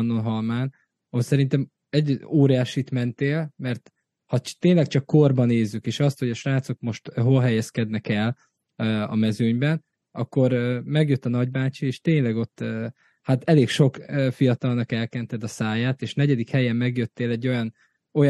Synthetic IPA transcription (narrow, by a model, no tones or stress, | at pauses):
nːonɦɒlmaːn | osɛɾint̪ɛm | ɛɟoːɾijaːʃit̪mɛnt̪eːlmɛrt̪ | hɒt̪eːɲlɛkt͡ʃɒkːo̞rbɒneːzːykeːʃɒst̪ho̞ɟɒʃraːt̪so̞k̚mo̞ʃt̪ɦo̞lɦɛjɛskɛd̪nɛkɛl | øɒ̰mɛzøɲbɛn | ɒkːo̞ɾmɛɡjøt̪ːɒnɒɟ̚baːt͡ʃieːʃt̪eːɲlɛɡo̞t̪ːø | hat̪ɛleːkʃo̞køfijɒt̪ɒlnɒkɛlkɛnt̪ɛd̪ɒsaːjaːt̪eːʃnɛɟɛd̪ikhɛjɛmːmɛɡjøt̪ːeːlɛɟːo̞jɒn | o̞j